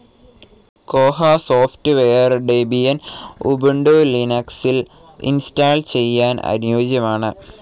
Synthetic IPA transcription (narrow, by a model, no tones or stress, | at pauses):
koːɦasoːftɨʋejɐrɖebijɐnṵbuɳɖoːlinɐksil | ḭnstaːlt͡ɕe̞jːaːnɐ̰njoːd͡ʑjɐmaːɳɨ